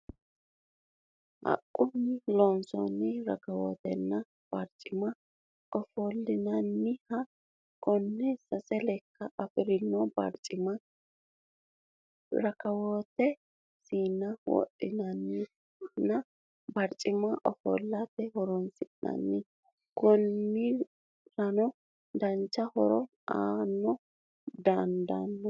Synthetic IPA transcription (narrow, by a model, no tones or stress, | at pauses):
hɐ̰kʼːʊnːɪloːnsɔ̰nːɪɾɐkɐwo̰ːt̪ɛ̰nːɐ | b̥ɐɾt͡ʃʼɪmɐ | ɔfoːlːɪnɐnːɪhɐ | kɔnːɛsɐsɛlɛkːɐʔɐfɪɾɪnːɔbɾt͡ʃʼm | ɾɐkɐwot̪ːɛ | siːnːɐwɔ̰ʔɪnɐnːɪ | nɐ | bɐɾt͡ʃʼɪmɐʔɔfɔ̰ːlːɐt̪ɛɦɔɾɔnsɪʔnɐ̰nːɪ | kɔnːɪ | ɾɐnɔ | d̪ɐnt͡ʃːɐhɔɾɔ | aːnːɔ | d̪ɐnd̪ɐ̰nːɔ